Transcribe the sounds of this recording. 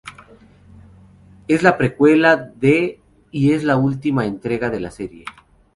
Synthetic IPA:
e̞zlapɾe̞kwe̞laðe | ie̞zlault̪imae̞nt̪ɾe̞ɣaðe̞lase̞ɾje̞̰

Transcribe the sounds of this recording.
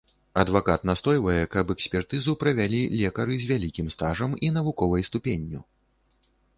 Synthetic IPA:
ɐd̪vakat̪nast̪ɔjvɐjɛkɐbɛksʲpʲɛrt̪ɨzupɾɐvʲalʲilʲɛkɐɾɨzʲvʲalʲikʲimst̪aʐɐmin̪ɐvukɔvɐjst̪upʲenʲːu

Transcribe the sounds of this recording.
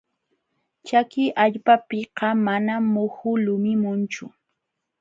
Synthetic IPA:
t͡ʃakɪʔaʎpapɪqɑmanamʊhʊlʊmɪmʊnt͡ʃʊ

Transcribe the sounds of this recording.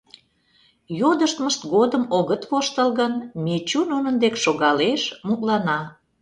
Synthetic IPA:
jod̪əʃt̪məʃt̪ɡod̪əmoɣət̪βoʃt̪əlɣənmet͡ɕununənd̪ekʃoɣɑleʃmuklɑnɑ

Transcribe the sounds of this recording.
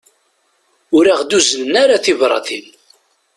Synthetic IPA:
ʊɾaʁd̪uzələnaɾaθivɾˤɑ̰θin

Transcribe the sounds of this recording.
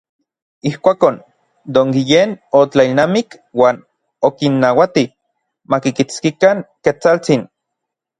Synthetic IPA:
ihkʷaːkon | d̪oŋɡijenot͡ɬailnamik | waːn | okinːawat̪i | makikit͡skikaŋket͡salt͡sin

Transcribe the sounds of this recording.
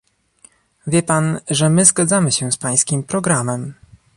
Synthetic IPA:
vʲjɛpanʐɛmɘzɡad̪zamɘɕɛspaj̃skʲimpɾɔɡɾamɛm

